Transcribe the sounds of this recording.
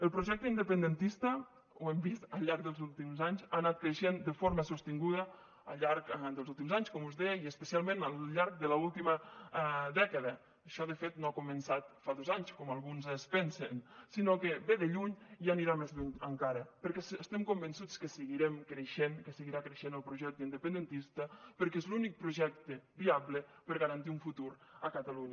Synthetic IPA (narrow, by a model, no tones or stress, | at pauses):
əlˠpɾoʒɛk̚t̪əind̪əpənd̪ənt̪ist̪ə | wɛmbist̪əlˠʎaɾk̚ðəlˠzulˠt̪imzaɲzanat̪̚kɾeʃend̪əfoɾməsust̪iŋɡuðə | əʎaɾkd̪əlzulˠt̪̬imzaɲskɔmuzðɛiəspəsialˠmenəlʎaɾk̚d̪ələulˠt̪imə | ðɛkəðə | əʃɔðəfet̪noakumənsat̪faðozaɲskɔmalˠɣunzəspɛnsensinokebeðeʎuɲjaniɾamezbuɲəŋkaɾəpəɾkɛsst̪ɛmkombensut͡skəsəɣiɾɛmkɾeʃenkəsəɣiɾakɾeʃenəlˠpɾuʒɛk̚t̪əind̪əpənd̪ent̪ist̪əpəɾkezlunik̚pɾuʒɛk̚t̪əbiaβləpəɾɣəɾant̪iuɱfut̪uɾəkət̪aluɲə